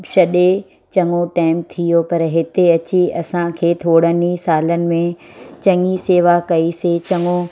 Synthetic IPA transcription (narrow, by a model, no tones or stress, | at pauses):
ʃɐɗe | t͡ɕɐŋoʈaːɪmt̪ʰijopɐɾɦɪt̪eɐt͡ɕiɐsãkʰeːt̪ʰoːɽənisaːlənɪ̆mẽ | t͡ɕɐŋiseːʋakɐiset͡ɕɐŋo